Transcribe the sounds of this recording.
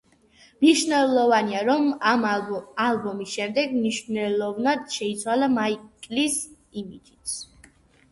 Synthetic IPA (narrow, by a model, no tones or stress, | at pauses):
mniʃnɛlˠɔvaniaɾɔmamalˠbɔmisʃɛmd̪ɛɡmniʃnɛlɔvnad̪̥ʃɛit̪sʰwalamaikʼlis | imid͡ʒit̪s